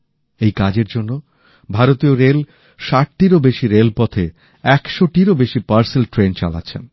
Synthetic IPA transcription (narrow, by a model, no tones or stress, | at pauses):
ejkad͡ʑeɾd͡ʑonːo | bʱaɾot̪ioɾel | ʃaʈʈiɾobeʃiɾelpɔt̪ʰe | ɛkʃoʈiɾobeʃipaɾselʈɾent͡ɕa̰la̰tːɕʰḛn